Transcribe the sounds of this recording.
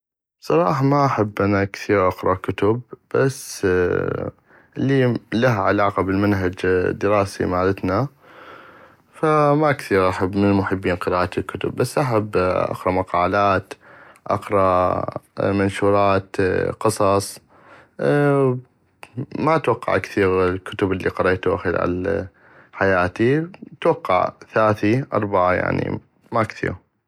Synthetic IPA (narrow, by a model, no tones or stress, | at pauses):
bsˤɑɾˤɑːħɑmaʔaħabːʔanakθiːɾʔɑqɾˤɑkʊt̪ʊb̥ːasː | liːlaɦaʕalaːqabɪlmanɦad͡ʒd̪ːɪɾɑːsḭmaːlɪt̪na | famakθiːɾʔaħabːmɪnmʊħɪbːiːnqɨɾaːʔt̪ilkʊt̪ʊ̰bːasːʔaħabːʔa̰qɾˤɑmaqɑːlaːt̪ʔɑqɾˤɑ | manʃuːɾˤɑːt̪qɨsˤɑsˤ | maʔat̪wɑqːɑ̰ʕkθiːɣlkʊt̪ʊbʔɪlːiqɑɾˤeːt̪uʔaxilʕa̰l | ħajaːt̪it̪wɑqːɑ̰ʕθaaːθiʔɑ̰ɾˤbaʕaja̰ʕnḭ | maʔkθḭːɾ